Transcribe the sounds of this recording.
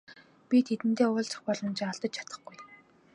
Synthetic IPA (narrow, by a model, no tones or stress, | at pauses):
pʲit̪ʰet̪ɘ̆nt̪eːʊːɮt͡sə̥̆χpɔɮɞ̆mt͡ɕʰːaɮt̪ə̆t͡ɕt͡ɕʰḁt̪ə̥̆χɡuj